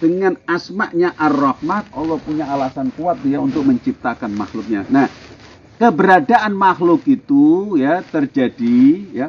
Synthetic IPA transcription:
d̥əŋanasmaʔɲaʔarahmat̪̚olɔpuɲaːlasankuat̪̚ijaunt̪ʊk̚məɲt͡ʃip̚t̪akanma̰xlʊk̚ɲanah | kəbəɾadaʔanmaxlʊkit̪ujat̪ərd͡ʒadija

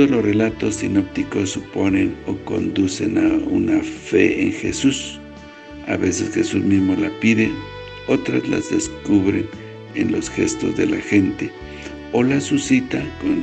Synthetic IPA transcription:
olosrelat̪osːinop̚t̪ikosuponenoko̰nd̪usenaṵnafeeŋxesus | a̰βesesxesusmizmolapiðe | ot̪ɾa̰la̰zðeskuβɾen | enlosxest̪o̰zd̪elaxent̪e | olasusit̪akon

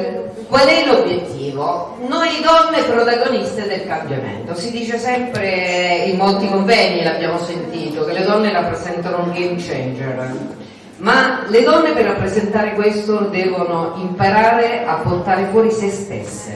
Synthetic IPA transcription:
kwalɛlobjet̪ːiːvo | nojd̪ɔnːepɾot̪aɡonist̪ed̪elkambjamḛnt̪osid̪iːt͡ʃesɛmpɾeimolt̪ikoɱvɛːɲːilabːjaːmosent̪iːt̪ok̟elːed̪ɔnːeɾapːɾezɛnt̪anouŋɡemt͡ʃɛnd͡ʒer | maled̪ɔnːeperːapːɾezent̪aːɾekwest̪od̪ɛːvonoimpaɾaːɾeapːort̪aːɾefwɔːɾisest̪ḛsːḛ

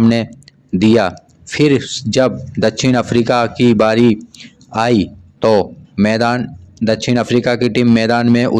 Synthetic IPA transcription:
mne | d̪ija | fʰɪɾd͡ʒɐb̚d̪ɐkʃʰɪñɐfɾiːkakibaːɾi | aːit̪oːmɛːd̪aːnd̪ɐkʃɪnɐfɾiːkakiʈiːmːɛːd̪aːnmẽʔʊ̰

